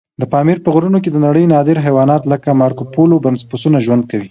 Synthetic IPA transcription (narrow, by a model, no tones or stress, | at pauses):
d̪əpɑmiɾpəɣɾunoked̪ənaɽəjnɑd̪ɪɾɦajwɑnɑt̪ləkamɑɾkopolobanspusunaʒwand̪̚kawi